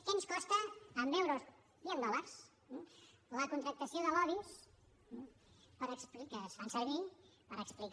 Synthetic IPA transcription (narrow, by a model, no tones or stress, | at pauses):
kɛnskɔst̪əːmbɛwɾoz | θiənd̪ɔləɾs | ləkunt̪ɾək̚t̪əsioðəlɔðis̩ | pəɾəksplikasfansəɾβi | pəɾəksplik